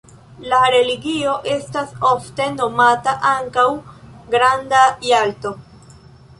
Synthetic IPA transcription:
laɾe̞liɡio̞ʔe̞staso̞fte̞no̞mataʔaŋkawɡɾandajalto̞

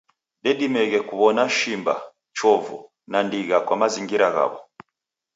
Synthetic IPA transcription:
dɛdimɛɣɛkuβɔnaʃimba̰ | t͡ʃɔvṵ | nandiɣakwamaziŋɡiɾaɣa̰βɔ

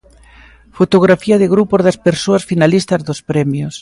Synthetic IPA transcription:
fot̪oɣɾafiɐðɪɣɾupozðɐspeɾsoasfinalist̪ɐzðospɾɛmjos

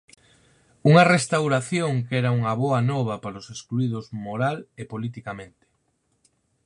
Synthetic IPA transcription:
uŋɐrest̪awɾaθjoŋkɛɾauŋɐβɔɐnɔβ̞ɐpaɾoseskluiðʊzmoɾalepolit̪ikamẽnt̪e̥

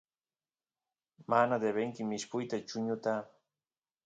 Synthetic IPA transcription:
manad̪eβeŋkɪmɪʃpʊjt̪at͡ʃʊɲʊt̪a

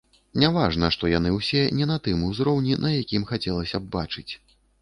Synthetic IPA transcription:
nʲavaʐnɐʂt̪ɔjan̪ɨwsʲɛnʲɛnɐt̪ɨmuzɾɔwnʲinɐjakʲimxat͡sʲɛlˠɐsʲɐbbat͡ʂɨt͡sʲ

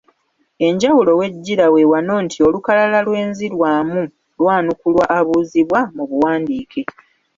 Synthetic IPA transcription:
e̞ɲɟawulo̞we̞ɟːiɾawe̞wano̞ːntʰio̞lukalalalwe̞ːnziɾwaːmu | lwaːnukulwaʔːβuːziβwamuβuwaːndiːkʰe

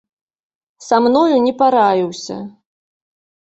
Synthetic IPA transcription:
samnɔjunʲɛpaɾajʲiwsʲɐ̰

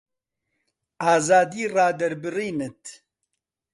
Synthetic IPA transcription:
aːzaːd̪iːraːd̪ɐɾbɨriːnɨt̪

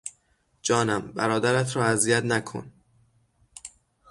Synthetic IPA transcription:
d͡ʒɒːnæmbæ̰ɾɒːd̪æɾæt̪ʰɾɒːæzijæt̪nækʰo̰n

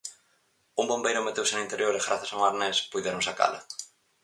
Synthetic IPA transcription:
uŋbombejɾʊmet̪ewsɪnint̪eɾjoɾeɣɾaθasawŋaɾnespujðeɾõŋsaka̰lɐ̰

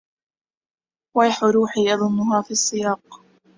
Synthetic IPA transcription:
wajħʊɾuːħiːʔɑðˤʊnːʊɦaːfisˤːɪjɑːq

